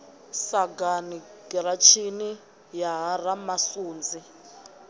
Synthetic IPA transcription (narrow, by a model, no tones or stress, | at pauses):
saɡaniɡɛɾat͡ʃʰini | jaɦaramasuːnd͡zi